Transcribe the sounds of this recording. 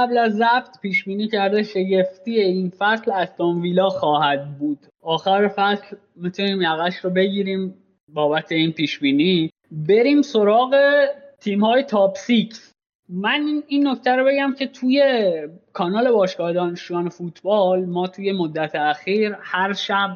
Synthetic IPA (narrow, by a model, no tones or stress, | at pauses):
æblæzːæbt̪piːʃbiːniːcʰæɾd̪eʃe̞ɟe̞ft̪iːeinfæslæzt̪ʰɑnviːlɒːxɒːhæd̪̚buːd̪̥ | ɒːxæɾefæsl | mit̪ʰuniːmjæɣæʃɾobe̞ɟiːɾiːm | bɒːbæt̪ʰe̞iːnpiːʃbiːniː | be̞ɾiːmso̞ɾɒːɣe̞t̪ʰiːmhɒːjet̪ʰɒːbsicʰs | mæninːo̞ct̪ʰæɾobe̞ɟæmcʰe̞t̪ʰuːje̞kʰɒːnɒːle̞bɒːʃkɒːhed̪ɒːneʃujɒːnefuːt̪ʰbɒːlmɒːt̪ʰuːje̞mod̪ːæt̪ʰeæxiːɾhæɾʃæb̚